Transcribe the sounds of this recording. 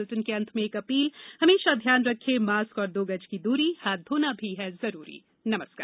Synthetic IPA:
lʈənkeɐ̃nt̪ʰmẽeːkɐpiːlhɐmeːʃad̪ʱjaːnɾɐkʰːemaːskɔːɾd̪oːɡəd͡ʒkid̪uːɾihaːt̪̚oːnabʱiɦɛzɐɾuːɾḭː | nɐməskaːɾ

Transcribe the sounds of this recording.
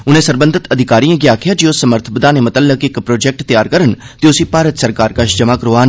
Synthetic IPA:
ʊnẽːsəɾbənd̪ʱət̪əd̪ʱɪkaːɾiːãɡjaːkʰɪjaːd͡ʒiosːəməɾt̪ʰəpəd̪aːneːmət̪əlːəkɪkpɾoːd͡ʒɛk̚ʈt̪ɪjaːɾkəɾənt̪eʊsĩːpaːɾət̪səɾkaːɾkaʃd͡ʒəmaːkəɾoːaːn

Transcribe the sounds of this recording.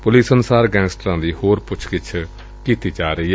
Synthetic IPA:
pʊliːsənʊsaːɾɡɛ̃ːnsʈɾãːd̪iːhoːɾpʊt͡ʃʰkɪt͡ʃʰ | kiːt̪iːd͡ʒaːɾəiːɦɛ

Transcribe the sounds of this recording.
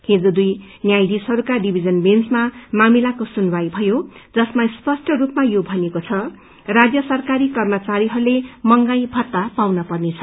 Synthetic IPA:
hed͡zod̪uj | njajdishʌɾukaɖibʱid͡zʌnbent͡smamamilakosunwajbʱʌjod͡zʌsmaspʌsʈʰʌrupmajobʱʌnekot͡sʰʌ | rad͡zjʌsʌrkaɾikʌrmʌt͡saɾiɦʌɾulemʌŋɡajbʱʌt̪ːapawnʌpʌrnet͡sʰʌ

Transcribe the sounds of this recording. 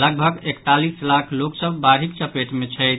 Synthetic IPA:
ləɡbʱəɡekt̪alislakʰloksəbbaɾɦik̚t͡ʃəpeʈmet͡ʃʰəjt̪

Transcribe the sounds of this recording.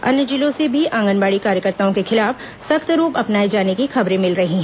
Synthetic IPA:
ɐ̰njəd͡ʒilõsebʱiʔãːŋɡənbaːɽikaːɾjəkəɾt̪aːõkexɪlaːf | sɐkt̪ɾuːpɐpnaːid͡ʒaːnekixɐbɾẽmɪlɾɐɦiɦɛ̃

